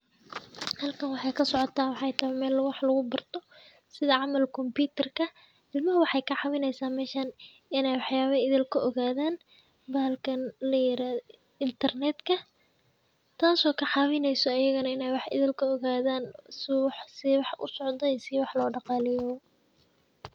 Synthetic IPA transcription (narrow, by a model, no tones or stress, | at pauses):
hɐlkʰɐnwɑħɑjkʰɐsɔʕɔt̪ʰaːnwɑħɑjt̪ʰɐhɛmɛːlwɑħlɐɣʊbɐrt̪ʰɔ | sɪðɐʕɑmɐlkʰɔmpuːt̪ʰɐrkʰɐ | d̪ɪlmɐɦwɑħɑjkʰɐʕɑwɪnɛjsaːmɛːʃɐn | ɪnɛjwɑħjaːβɐɪðɪlkʰɐʔɔɣaːðaːn | baːlkʰɐnlɐjɪɾaːð | ɪnt̪ʰɐrnɛd̪kʰɐ | t̪ʰaːsɔːkʰɐħɑːwɪnɛjsɔɐjɐɣɐnɐɪnɛjwɑħɪ̰ðɪlkʰɐɔɣaːðaːnswɑħsɪwɑħʔʊ̰sɔʕd̪ɔisɪwɑħlɔːɖɑqɑːlɪjɔ